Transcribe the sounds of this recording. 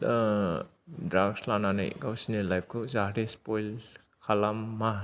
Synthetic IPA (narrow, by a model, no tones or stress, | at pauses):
dɾaɡslanana̰jɡawsinelajp̚ʰkʰɯzaɾespɔjl | kʰalamːa